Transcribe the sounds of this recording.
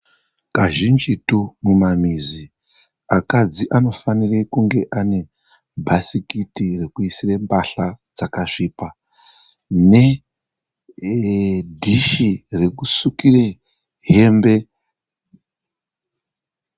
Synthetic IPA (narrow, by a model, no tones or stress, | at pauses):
kaʒind͡ʒitumumamizi | akad͡ziʔano̞fanirekuŋɡe̞ʔane̞ | bʱasikitirekuisirembaɬad͡zakaʂiːpa | ne̞ | dʱiʃire̞kusukire | ɦe̞mbe̞